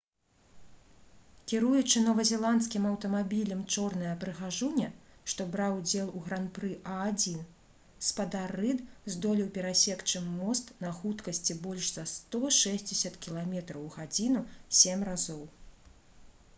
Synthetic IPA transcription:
kʲiɾujut͡ʂɨnɔvɐzʲɛlˠant̪skʲimɐwt̪ɐmabʲilʲɐmt͡ʂɔrnɐjɐpɾɨɣaʐunʲɐʂt̪ɔbɾawd͡zʲɛlˠuɣɾanpɾɨʔaːd͡zʲin | spad̪arːɨd̪zd̪ɔlʲiwpʲɛɾasʲɛkt͡ʂɨmːɔst̪nɐxut̪kɐsʲt͡sʲibɔlʲʂz̥ɐst̪ɔʂɛzʲd͡zʲɛsʲɐt̪kʲilˠamʲɛt̪ɾɐwɣad͡zʲinusʲemʲrazɔw

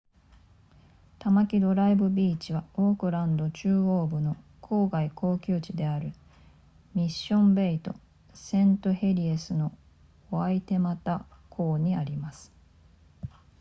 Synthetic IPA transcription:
t̪amakʲid̪o̞ɾaibɯ̟bʲiːt͡ɕiβaoːkɯ̟ɾãnd̪o̞t͡ɕɨːoːbɯ̟no̞kʰo̞ːɡaikʰo̞ːkʲɨːt͡ɕid̪e̞aɾɯ̟ | mʲiɕːõ̞mbe̞it̪o̞ | sẽ̞nt̪ohe̞ɾʲiesɨno̞ | oait̪e̞mat̪akʰo̞ːɲ̟iaɾʲimasɨ̥

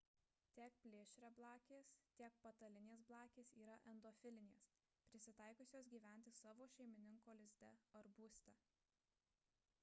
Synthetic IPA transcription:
t̪ʲeːk̚pʲlʲeːʃʲɾʲɛblˠɑːkʲeːst̪ʲiɛk̚pɐt̪ɐlʲɪnʲeːs̬blˠɑːkʲeːsiːɾɐʔɛnd̪oːfʲɪlʲɪnʲeːs | pʲɾʲɪsʲɪt̪ɐɪkoːsʲoːsɡʲiːʋʲæˑnʲt̪ʲɪsɑːʋoːʃʲɛɪmʲɪnʲɪŋkoːlʲɪzʲd̪ʲɛ̰ɐɾbuːsʲt̪ʲɛ

